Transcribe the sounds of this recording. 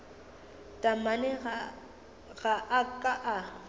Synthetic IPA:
tʼamanɛ | ɣaʔakʼaʔa

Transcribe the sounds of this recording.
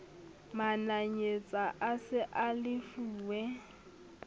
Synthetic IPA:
manaɲet͡sʼaʔasɪʔalɪfuːwɛ

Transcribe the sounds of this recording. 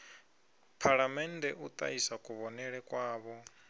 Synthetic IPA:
pʰaɺamɛndɛʔut̪ʼa̰isakʼuβɔnɛɺɛkʼwaːβɔ

